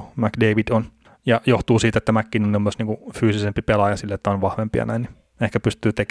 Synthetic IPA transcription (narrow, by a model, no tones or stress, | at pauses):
mækdeiʋid̥̪on | jɑjoht̪uːsiːt̪et̪ːæmækːiːnoniomːosniːŋkufyːsisempipelɑjɑsilːet̪ːæonʋɑhʋempijɑ̰næinni | ehkæpyst̪yːt̪ek